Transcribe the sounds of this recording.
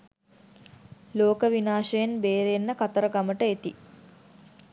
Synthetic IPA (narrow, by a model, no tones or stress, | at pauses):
loːkəʋinaːʂəjenbeːɾenːəkat̪əɾəɡaməʈəet̪ḭ